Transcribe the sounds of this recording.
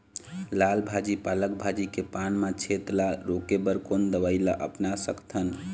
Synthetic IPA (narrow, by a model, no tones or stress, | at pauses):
lalbʱad͡ʒipalək̚bʱad͡ʒikepanmãt͡ʃʰet̪laɾokebəɾkond̪əbaɪlaʔə̰pnasəkt̪ʰən